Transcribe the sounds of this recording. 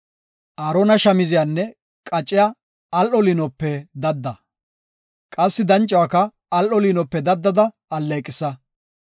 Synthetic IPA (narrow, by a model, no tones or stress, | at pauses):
ʔaːɾonɐʃɐmɪzɪjaːnːɛ | kʼɐt͡ʃʼːɪja | ɐlʔɔliːnɔpːɛd̪ɐd̪ːɐ | kʼɐsːɪd̪ɐnt͡ʃʼːwakɐː | lʔɔliːnɔpːɛd̪ɐd̪ːɐd̪ɐ | ɐlːɐkʼɪsɐ